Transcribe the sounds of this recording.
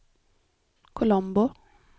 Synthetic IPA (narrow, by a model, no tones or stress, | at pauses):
kʰʊlɔmbʊ